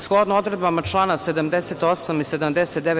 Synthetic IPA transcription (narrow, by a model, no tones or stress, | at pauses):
sxlˠod̪nod̪ɾed̪̚bamat͡ʃlˠaːnased̪amd̪eset̪o̞samised̪amd̪eset̪̚d̪eʋe